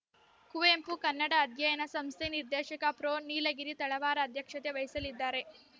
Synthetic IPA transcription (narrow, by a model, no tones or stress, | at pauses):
kuʋeːmpukɐnːɐɽɐːd̪ʱjɐjɐnɐsɐmst̪ʰeniɾd̪eːʃɐkɐpɾoːniːlɐɡiɾit̪ɐɭɐʋaːɾɐːd̪ʱjɐkʂɐt̪eʋɐjisɐlid̪ːaːɾe̞